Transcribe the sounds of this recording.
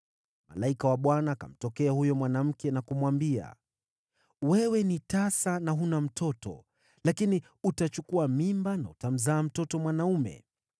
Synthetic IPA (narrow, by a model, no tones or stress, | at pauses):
ma̰laikawaɓwanaːka̰m̩tɔkɛahujɔmwanam̩kɛnakumwambia̰ | wɛwɛnitasanaɦunam̩tʰɔtɔ̰ | lakini | utat͡ʃukuamimbanautam̩zaːm̩tɔtɔmwanaumɛ̰